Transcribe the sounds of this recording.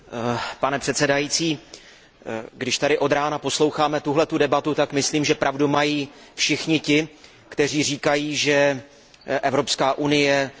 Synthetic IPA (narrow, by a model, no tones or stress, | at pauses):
panɛpr̥ɛt̪sɛdajiːt͡siː | ɡdɪʃt̪adɪʔo̞d̪ɾaːnapo̞slo̞wxaːmɛt̪uɦlɛt̪udɛbat̪ut̪akmɪsliːmʒɛpɾʔavdumajiː | fʃɪxɲɪcɪ | kt̪ɛr̝iːr̝iːkajiːʒɛ | ʔɛvɾo̞pskaːʔunɪjɛ